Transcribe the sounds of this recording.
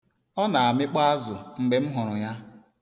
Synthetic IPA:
ɔ˦na˨a˨mɪ˦k͡pa˦a˦zʊ˨ŋ͡m̩˨ɡ͡be˨m̩˦ɦʊ˨ɾʊ˨ja˦

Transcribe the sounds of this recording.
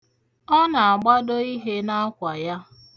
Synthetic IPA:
ɔ˦na˨a˨ɡ͡ba˦do˦i˦ɦe˦na˦kʷa˨ja˦

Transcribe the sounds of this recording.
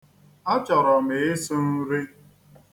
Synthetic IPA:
a˦t͡ʃɔ˨ɾɔ˨me˨ɪ˦sʊ˦n̩˦ɾi˦

